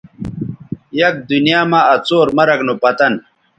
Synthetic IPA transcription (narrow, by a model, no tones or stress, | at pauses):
jɐk̚d̪unjaːmaɐt͡soːɾmɐɾɐknopɐt̪ɐn